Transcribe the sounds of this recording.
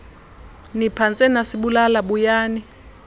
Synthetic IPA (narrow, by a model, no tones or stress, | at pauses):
nipʰant͡sʼɛnasiɓulalaɓujaːni